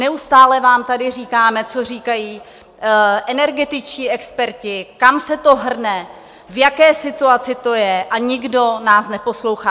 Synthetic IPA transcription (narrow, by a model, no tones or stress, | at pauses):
nɛust̪aːlɛvaːmt̪adɪr̝iːkaːmɛt͡so̞r̝iːkajiː | ʔɛnɛɾɡɛt̪ɪt͡ʃciːʔɛkspɛɾcɪkamsɛt̪o̞ɦr̩nɛ | vjakɛːsɪt̪uat͡sɪt̪o̞jɛʔaɲɪɡdo̞naːsnɛpo̞slo̞wxaː